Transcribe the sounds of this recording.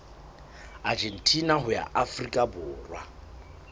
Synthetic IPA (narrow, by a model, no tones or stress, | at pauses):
ad͡ʒen̩tʼinaɦʊja̰ʔafrikʼabʊːrwa